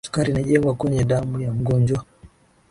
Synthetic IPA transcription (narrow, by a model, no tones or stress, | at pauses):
su̥kaɾinaʄɛŋɡwakwɛɲɛɗamujam̩ɡɔɲd͡ʒwa